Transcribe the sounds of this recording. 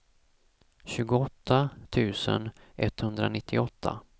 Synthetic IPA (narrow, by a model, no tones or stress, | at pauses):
ɕʉ̟ːɡʊɔt̪ʰːat̪ʰʉ̟ːsə̰nʔɛt̪ːhɵnd̪ɾanɪt̪ʰːɪɔt̪ʰːa̰